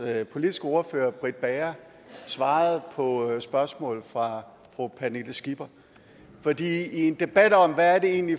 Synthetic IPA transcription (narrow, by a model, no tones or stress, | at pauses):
pʰo̝lid̥isɡ̥əo̝ɐføːɐb̥ʁid̥̚b̥ɛɐ | sʋɑ̈ːð̩ˠpʰɒ̽sb̥ɶɐsmɔ̰̽ːl̩fʁɑ̈ | fʁopʰæneləsɡ̥ib̥ɐ | fɒ̽d̥ḭːie̝nd̥e̝b̥æd̥ɒ̽mʋææɐde̝e̝̰ːnli